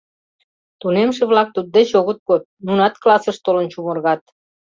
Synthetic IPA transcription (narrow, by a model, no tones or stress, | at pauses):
t̪unemʃeβlɑk̚t̪ud̪̚d̪et͡ɕoɣət̪̚kot̪̚nunɑt̪klɑsəʃt̪olənt͡ɕumə̆rɣɑt̪̚